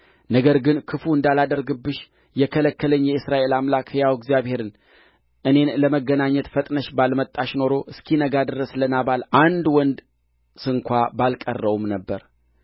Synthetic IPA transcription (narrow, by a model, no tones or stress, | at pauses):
nəɡəɾɡɨnkʰɨfuɨnd̪alad̪əɾɡɨbːɨʃ | jɛkʰələkːələɲːjɛɨsɾaʔe̞lamlakɨjawɡzijaβhe̞ɾɨn | ʔɨne̞nləməɡːənaɲːət̪fət̪ʼnəʃbalmət̪ʼːaʃno̞ɾoʔɨskʰinəɡad̪ɨɾəslənaβalʔand̪wɔnd̪ | sɨŋkʷabalkʼərːəwumnəbːəɾ